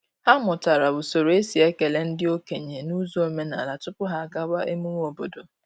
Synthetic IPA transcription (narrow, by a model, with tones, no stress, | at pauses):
ha˦mʊ˨ta˨ɾa˨bʊ˨so˨ɾo˨e˦si˨e˦ke˨le˦n̩˦dɪ˦o˦ke˨ɲe˨nu˦zo˦e˨me˦na̰˨la˨tʊ˦pʊ˦ɦa˦˨ɡa˦wa˦ʔe˦mu˦ŋ˦o˨bo˨do˨